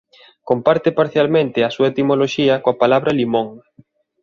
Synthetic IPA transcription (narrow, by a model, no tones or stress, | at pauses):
kompaɾt̪ɪpaɾθjalmẽnt̪ɪɐsuaet̪imoloʃiɐkoapalaβɾɐlimoŋ